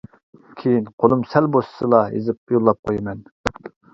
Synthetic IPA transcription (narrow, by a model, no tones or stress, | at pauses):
kʲʰejinqʰolˠɨmsɛlbosɨ̥sɨlˠɑḛzɪp̚jolˠːɑp̚qʰojmɛn